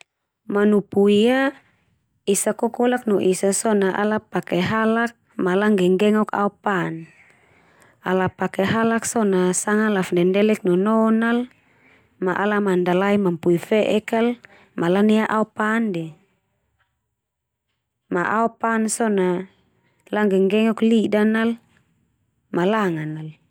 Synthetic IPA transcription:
manupuia | isakɔkɔlaknɔʔisasɔnaʔa̰lapakɛɦalak̚ | malaŋɡɛŋɡɛŋɔka̰upan | alapakɛɦalaksɔnasaŋalafndɛndɛlɛk̚nɔnɔnal | maʔalamandalaimampuifɛʔɛkal | malaniaʔaɔpandɛ | maʔaɔpansɔna | laŋɡɛŋɡɛŋɔklidanal | malaŋanal

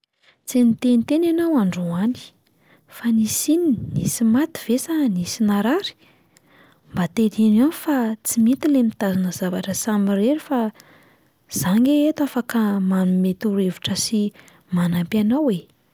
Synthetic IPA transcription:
t͡senit̪enit̪enanawaɳɖ͡ʐuani̥ | fanisininisimat̪i̥v̥esanisinaɾaɾi̥ | mbat̪ed̪inianifat͡simit̪ilemit̪azanəzavaʈ͡ʂəsamireɾifa | z̥aŋɡeet̪afakamanumet̪uɾevuʈ͡ʂəsi | manampanawe

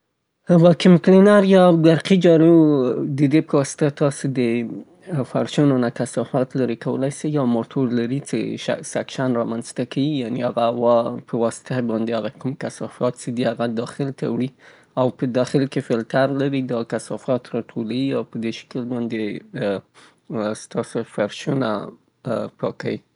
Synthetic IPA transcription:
wɑkɪmklɪnaɾjɑɡaɾqid͡ʒɑɾud̪əd̪epəwɑsɪ̥t̪at̪ɑsed̪ə | faɾʃunonakasɑfɑt̪laɾekawə̰lajsajjawmoʈʰoɾlaɾit͡sḛʃsakʃanɾɑmanzt̪akʰawijaneaɣawɑpʰəwɑsɪ̥t̪abɑnd̪eaɣakumkasɑfɑt̪̚t͡ʃed̪ihaɣad̪ɑxɪlt̪a̰wɽi | awpəd̪ɑxɪlkefɪlt̪aɾlaɾid̪ɑkasɑfɑt̪ɾɑʈʰolawiawpəd̪eʃɪ̥kəlbɑnd̪e | st̪ɑsofaɾʃuna̰ | pɑka̰wi

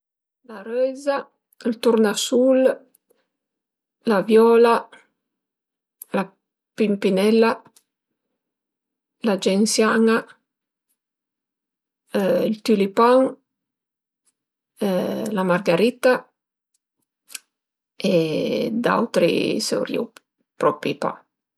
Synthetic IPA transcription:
larɛjza | lt̪urnasul | lavjɔːla | la | pimpinɛlːa | lad͡ʒɛnsjaːŋa | ilt̪ylipaŋ | lamarɡaɾit̪a | ed̪a̰wt̪ɾḭsɛ̰wɾjḭ | pɾɔpḭpa̰

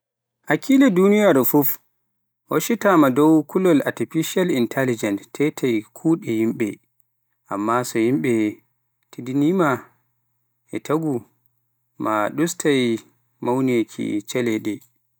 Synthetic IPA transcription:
ʔakʰiːlɛdunijaɾfuf | hoʃitamadɔwkʰulɔla̰tifiʃalintʰɛlid͡ʒɛntʰːɛtʰajkʰuːɗɛhimɓɛ̰ | ʔa̰mːasɔhimɓɛ | tʰidinima | ʔɛtʰaɡu | maɗustʰaj | mawnekʰḭt͡ʃɛlɛɗɛ

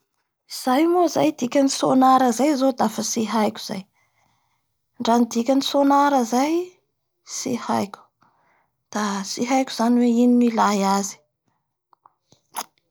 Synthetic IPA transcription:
iz̥ajmozajd̪ikʲanisonaɾəzajzod̪afəsiɦajkʲu̥z̥a̰j | ɳɖ͡ʐanid̪ikʲanisonaɾəzaj | sihajkʲu̥ | d̪̥asiɦajkʲuz̥aniweininilajazi̥

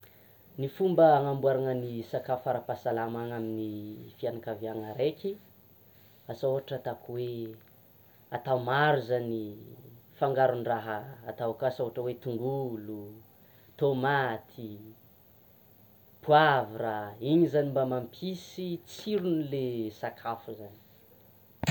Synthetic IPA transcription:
nifumbəːŋambuaɾaŋənisakafaɾapasalamaŋaminifianakavjaŋaɾekʰi | asooɦaʈ͡ʂat̪akuwe | at̪awmaɾuzani | faŋɡaɾuniraɦəːt̪awakasoɦaʈ͡ʂəwet̪uŋɡulu | t̪omat̪ʰi | pʰuaviɾaiɲizanimbamampʰisit͡siɾunilesakʰafuzani̥

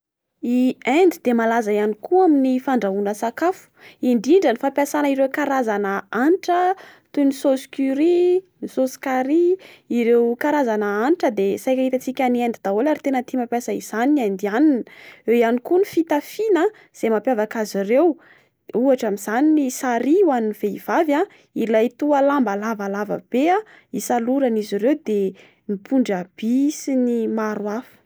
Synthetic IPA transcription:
iend̪id̪̥emalazajanikuaminifaɳɖ͡ʐaunəsakafu̥iɳɖ͡ʐiɳɖ͡ʐənifapjasanəiɾewkaɾazanəanʈ͡ʂət̪unisoskyɾi | nisosi̥kaɾiiɾewkaɾazanaanʈ͡ʂəd̪esajkʲaɦit̪at͡sikʲaniend̪id̪aolaɾit̪enət̪imapjasaiz̥aninend̪ianineianikunifit̪afina | z̥emapjavakazirew | uaʈ͡ʂamizaninisaɾiwaniniv̥eiv̥ava | ilajt̪ualambalavalavə̰b̥ea | isaluɾaniziɾewd̪e | mipʰuɳɖ͡ʐab̥isinimaɾwafə̥

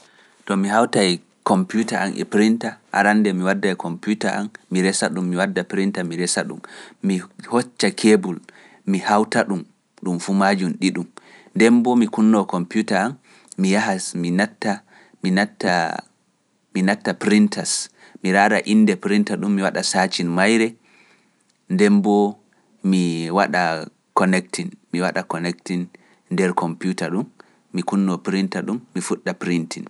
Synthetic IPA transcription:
tɔmihawtaj | kɔmpjutaʔa̰nʔɛ̰pɾintaʔa̰ɾanːdɛmiwadːajkʰɔmputaʔa̰nmiɾɛsaɗumːiwadːapɾintamiɾɛsaɗṵmmihot͡ʃːakʰebul | mihawtaɗum | ɗumfumad͡ʒumɗiɗum | ndɛmbɔmikunːɔwkɔmputaanː | ijahasminatːa | minatːa | minatːapɾintas | miɾaɾa̰ʔinːdɛpɾintaɗumːiwaɗasat͡ʃinmajɾɛ | ndɛmbɔ | miwaɗa | kɔnɛktʰinmiwaɗakɔnɛktin | ndɛɾkʰɔmpjutaɗumː | ikunːɔpɾintaɗumːifuɗːapɾintin

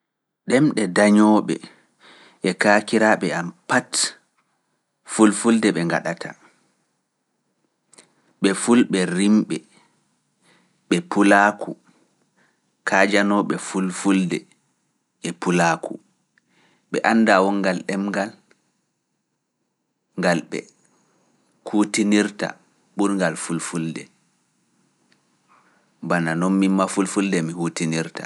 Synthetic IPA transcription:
ɗɛmɗɛdaɲɔːɓɛ̰ | ʔɛkaːkiɾaɓɛampat | fulfuldɛɓɛŋɡa̰ɗatʰa | ɓɛfulɓɛɾimɓɛ | ɓɛpulaːkʰu | kʰaːd͡ʒanɔɓɛfulfuldɛ̰ | ɛpulaːku | ɓɛʔanːdawɔŋɡalɗɛmɡal | ŋɡalɓɛ̰ | hutiniɾta̰ | ɓuɾŋɡalfulfuldɛ | bananɔnmimmafulfuldɛmihutiniɾta

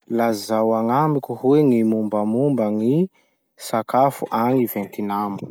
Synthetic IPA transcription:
lazawaŋamikuhweŋimumbəmumbəŋi | sakafuʔaŋivent̪inamu

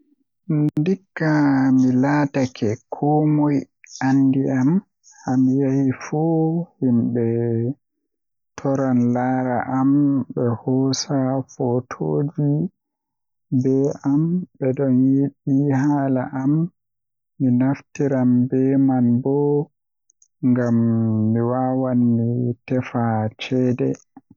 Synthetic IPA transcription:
ndikːamilatakʰɛkʰɔmɔj | andiʔam | hamijahifuhimɓɛ | tʰɔɾanlaːɾaʔamɓɛhɔːsafɔtʰooːd͡ʒi | bɛʔambɛdɔnjiɓihaːlaʔamː | inaftiɾambɛmanbɔ | ŋɡamːiwaːwanmitɛfat͡ʃɛdɛ̰

